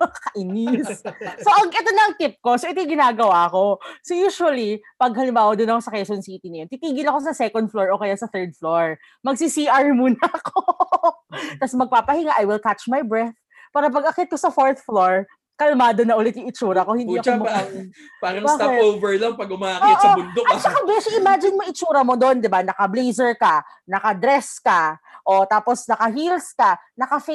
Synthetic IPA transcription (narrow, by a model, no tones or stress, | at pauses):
kɐʔɪnɪsso̞ʔɐŋʔɛt̪o̞nɐɐŋt̪ɪp̚ko̞soʔɪt̪ojɡɪnaːɡɐwaʔɐko̞sojuːʃuwɐlipɐɡɦɐlɪmbaːwɐd̪ʊnɐkosɐkɛsonsiːt̪inɐjoit̪iːɡɪlɐko̞sɐsɛkond̪̚floɹʔokɐjasɐθɛɹd̪̚floɹ | mɐɡsisiʔɐɹmuːnɐʔɐko | t̪ɐsmɐɡ̚paːpɐhɪŋaʔajwɪlk̪at͡ʃmajbɹɛθ | paːɾɐp̬ɐɡɐkɛt̪̚kosɐfoɹt̪floɹ | kɐlɐmaːd̪onɐʔʊlɪt̪jʊŋɪt͡ʃuːɾɐko̞hɪnd̪iːʔɐoma | paːɾɐŋbataɛpʔoːvɛɹlɐŋpɐɡʊmaːʔɐʔoːʔsɐɡʊnd̪oʔɐt͡ʃɐkabɛʃɐʔɪmad͡ʒɪnmoŋɪt͡ʃuːɾɐmo̞d̪o̞nd̪ɪbanɐkɐblejzɛɹkɐ | nɐkɐd̪ɾɛskɐʔot̪aːposnɐkɐɦilskɐnɐkɐfe